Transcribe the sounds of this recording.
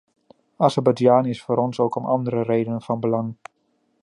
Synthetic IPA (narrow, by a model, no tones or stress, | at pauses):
ɑzəbad͡ʒaːnɪsfoːɾɔnsowkɔmʔɑ̰ndəɾərejdənənv̥ɑnbəlɑŋ